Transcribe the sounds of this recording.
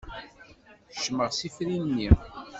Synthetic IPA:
ʃməʁsifɾinnːi

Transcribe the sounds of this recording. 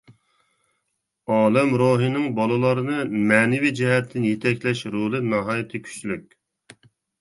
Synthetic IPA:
ɑːlˠɛmɾoːɦɨnɨŋbɑlˠɨlˠɑɾɨnɨmɛːnɪvid͡ʒɛɦɛt̪ʰːɪnjet̪ʰɛkʲlɛʃɾolˠɨnɑɦɑːjɪt̪ʰɨkʲʰy̥sylykʲ

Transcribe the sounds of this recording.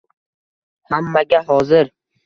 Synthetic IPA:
hamːaɡʲaɦɒzɪɾ

